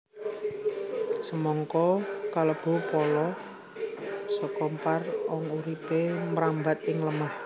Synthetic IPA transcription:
səmɔŋkɔkaləb̥o̤pɔlɔ | sɔkɔmparwɔŋuɾipemɾambat̪ɪŋləmah

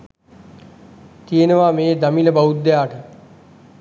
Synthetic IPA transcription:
t̪ijenəʋaːmeːd̪ɐmiləbɐud̪ːejaːʈə

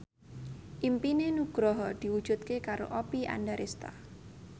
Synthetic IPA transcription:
ʔimpinenuɡ̥ɾɔɦɔd̪̥i̤wud̥ʒ̥ṳt̪̚kekaɾo̰ʔɔpiʔa̰ndaɾʔest̪a̰

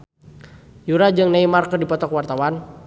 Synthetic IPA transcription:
juɾad͡ʒɨŋnaimarkədipɔt̪ɔkwart̪awan

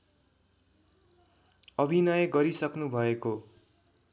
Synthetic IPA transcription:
ʌbʱinʌjɡʌɾisʌknubʱʌeko

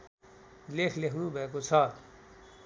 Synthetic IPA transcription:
leːkʰleɦnũːbeːkot͡sʰaː

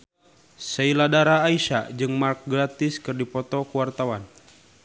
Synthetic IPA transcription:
sɛiladaɾaːiʃa̰d͡ʒɨŋmark̚ɡɾat̪ɪskɨrdipɔt̪ɔkuwart̪awan

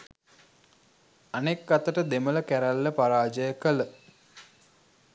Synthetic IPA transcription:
anekːat̪əʈəd̪emələkæɾælːəpaɾaːd͡ʒəjəkələ

